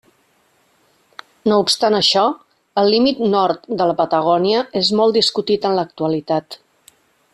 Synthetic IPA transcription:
noupst̪anəʃɔ | əlˠlimit̪nɔɾt̪d̪ələpət̪əɣ̞ɔniəezmɔlˠd̪iskut̪it̪ənlək̚t̪uəlit̪at̪

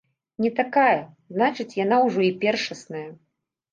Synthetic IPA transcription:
nʲɛt̪akajɐznat͡ʂɨt͡sʲjan̪awʐɔipʲɛrʂɐsnɐjɐ

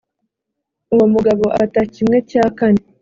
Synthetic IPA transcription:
uwomuɡaβo̞ʔatacimŋe̞caːkane

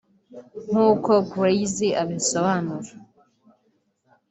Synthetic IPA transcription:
ŋ̥uːko̞ɡɾejziʔaβiso̞βanuɾa

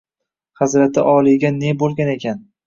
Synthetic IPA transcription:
χazɾat̪ʰɪʔɒlˠɪjɡʲane̞bolˠɡʲane̞kʲʰan

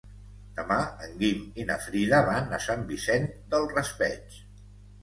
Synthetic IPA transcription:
d̪əmaəŋɡiminə̰fɾiðəβanəsambisɛnd̪əlˠrəspɛt͡ʃ

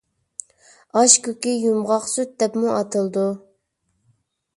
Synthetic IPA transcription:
ɑʃkʲøkʲijumʁɑχsut̪̚d̪ɛpmuʔɑt̪ʰɨlˠd̪u

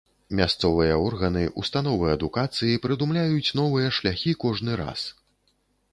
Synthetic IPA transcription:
mʲast̪sɔvɨjɐɔrɣɐnɨʔust̪an̪ɔvɨɐd̪ukat̪sɨjipɾɨd̪umlʲajut͡sʲn̪ɔvɨjɐʂlʲaxʲikɔʐnɨɾa̰s

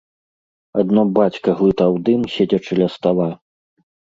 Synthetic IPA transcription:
ad̪nɔbat͡sʲkɐɣlˠɨt̪ɐwd̪ɨmsʲed͡zʲɐt͡ʂɨlʲɐst̪alˠa

